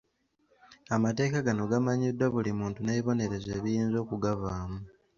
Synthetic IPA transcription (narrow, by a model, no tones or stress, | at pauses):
amate̞ːkaɡano̞ɡamaɲidwaβulimuːntuneβiβo̞ne̞ɾe̞ze̞ːβijiːnzo̞ːkuɡaβaːmu